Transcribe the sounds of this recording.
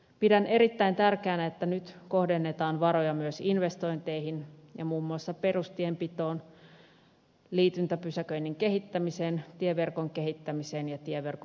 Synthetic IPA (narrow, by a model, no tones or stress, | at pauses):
pidæne̞ɾit̪ːæint̪ærkeæːnæet̪ːænyt̪ko̞hdenːet̪ɑːnʋɑɾo̞jɑmyøsinʋe̞st̪o̞jnt̪ejɦinjɑ̰muːmːuɑsːɑpe̞rust̪iempit̪o̞ːn | liːt̪ynt̪æpysækøinːiŋke̞ɦit̪ːæmiseːnt̪ieʋe̞rkoŋkeɦit̪ːæmiseːnjɑt̪ieʋe̞rk